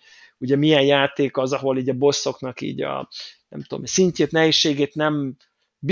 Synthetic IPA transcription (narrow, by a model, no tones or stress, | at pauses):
uɟɛmijɛnjaːt̪eːkɒzɒɦo̞liːɟɒbo̞sːo̞knɒkḭːɟɒ̰nɛ̰mt̪uo̰msiɲceːt̪nɛɦeːʃːeːɡeːt̪nɛm | b